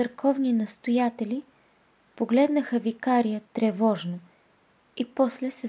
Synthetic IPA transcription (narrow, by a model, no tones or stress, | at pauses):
ɐɾkʰɔvninɐst̪ojat̪ɛli | poɡlɛd̪nəxəvikaɾijət̪ɾɛvɔʒno | ipɔslɛsɛ